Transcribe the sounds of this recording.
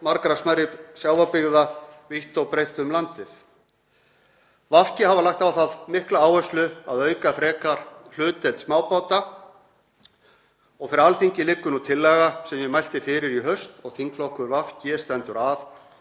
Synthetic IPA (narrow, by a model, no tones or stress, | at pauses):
maɾkɾasmaɾɪpsjaːwvapɪɣðaviht̪owpɾejht̪ʏmlant̪ɪθ | vafcɪhavalaxt̪awθaðmɪhklaaːwœst̪lʏaðœːɥkafɾɛːkaɾ̥l̥ʏːt̪ɛlt̪smaːwpaːwt̪a | ɔɣfɪɾɪɾalθiɲcɪlɪkːʏnut̪ʰɪlːɛːɣasɛmjɛmajl̥t̪ɪfɪːɾɪɾiɦœst̪ɔɣθʰiŋklɔhkʏɾvafcɪst̪ɛnt̪ʏɾav